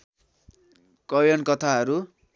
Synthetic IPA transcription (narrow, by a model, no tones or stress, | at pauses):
kʌjʌnkʌt̪ʰaɦʌɾu